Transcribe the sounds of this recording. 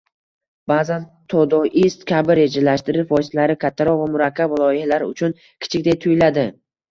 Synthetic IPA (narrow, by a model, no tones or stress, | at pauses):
b̥aːzan | t̪ʰod̪ɒʔist̪kʲʰabɪɾe̞d͡ʒalaʃt̪ɪɾɪʃvɒjslaɾɪkʲʰat̪ʰːaɾɒʁvamʊɾakʲːabvɪlˠɒjalaɾʊ̰t͡ʃʰʊn | kʲʰɪ̥t͡ʃʰɪkʲd̪ajt̪ʰʊjlad̪ɪ